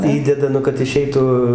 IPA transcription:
ˈiːdʲɛdɐ ˈnʊ kɐt ɪˈʃʲɛɪtuː

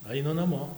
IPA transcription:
ˈɐɪnɐ nɐˈmoː

